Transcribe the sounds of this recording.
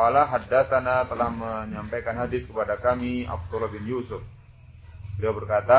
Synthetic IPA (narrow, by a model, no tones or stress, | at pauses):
alaɦadasanat̪əlahməɲampajkanɦadɪskəpadakamia̰p̚t̪ulɔbɪnjusʊf | diabərkat̪a